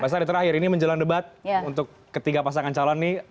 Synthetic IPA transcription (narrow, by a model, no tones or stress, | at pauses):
bias̬adit̪əɾahɪɾiniməɲd͡ʒəlaŋdəbat̪̚unt̪ʊkːət̪iɡapas̬aŋant͡ʃalɔnːɪ